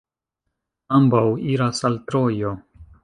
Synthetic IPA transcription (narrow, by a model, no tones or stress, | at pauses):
ambawiɾasalt̪ɾo̞jo